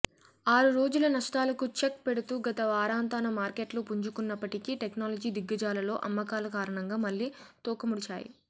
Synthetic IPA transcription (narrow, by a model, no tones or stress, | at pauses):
aːɾuɾo̞ːd͡ʒulɐnɐʂʈaːlɐkut͡ʃek̚peɽut̪uːɡɐt̪ɐʋaːɾaːnt̪aːnɐmaːɾke̞ʈlupuɲd͡ʒukunːɐpːɐʈikiʈeknaːlɐd͡ʒiːd̪iɡːɐd͡ʒaːlɐlo̞ːʔɐ̰mːɐkaːlɐkaːɾɐɳɐŋɡaːmɐlːiːt̪ɔːkɐmuɽit͡ʃa̰ːjḭ